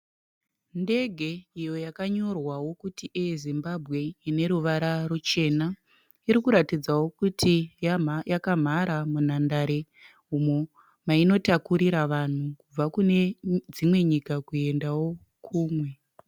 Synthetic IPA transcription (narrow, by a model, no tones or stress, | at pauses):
nde̞ɡʱe̞ijo̞jakaɲo̞rwawo̞kutiʔijezimbabʱɣe̞ine̞ɾuʋaɾarut͡ʃe̞na | iɾikuɾatid͡zawo̞kutʰi | jakam̤aɾamun̤andaɾe̞ | umo | maino̞takuɾiɾaʋan̤ukub͡vakune̞d͡zimwe̞ɲikakue̞ndawo̞ | kʰuːmwe̞